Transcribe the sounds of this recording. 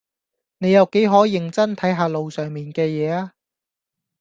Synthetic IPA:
ne˨˧jɐ˨wke˨˥jɦɔː˨˥jɪ˨ŋt͡sɐ˥nt̪ʰɐ˨˥jɦaː˧lo˨wsœː˨˩ŋmiː˨nkɛː˧jɛː˨˧aː˧

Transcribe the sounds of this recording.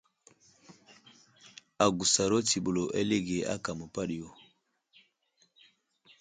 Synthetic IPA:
a˨ɡu˨sa˨ɾo˦ti˨ɓo˨lo˨ʔɛ˦le˦ɡe˨a̰˦ka˨mo˨pa˦ɗjo˨

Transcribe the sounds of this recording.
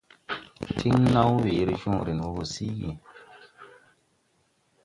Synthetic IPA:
tʰi˦ŋ˦na˦wwi˨˦ɾi˦ʃu˦˨ŋ˨ɾi˨n˨wo˨˦bo˨si˦ɡḭ˨

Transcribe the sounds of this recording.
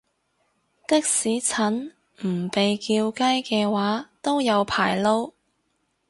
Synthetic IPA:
t̪ɪ˥k̚siː˨˥t͡sʰɐ˨˥n | m̩˨˩pe˨jkiː˧wkɐ˥jkɛː˧waː˨˥t̪o˥wjɐ˨˧wpʰa̰ː˨˩jlo˥w

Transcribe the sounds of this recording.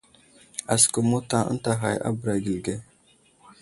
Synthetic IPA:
a˨skə˨mo˦ta˦ʔə̰˦n˦ta˨ɦa˨ja̰˦bə˨ɾa˨ɡi˨lɡe˦

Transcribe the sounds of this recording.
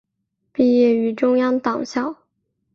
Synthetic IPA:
pi˥˧jɛ˥˩y˧˥ʈ͡ʂʊ˥ŋjɑ˥ŋt̪ɑ˨˩ŋɕjɑ˥˩ʊ

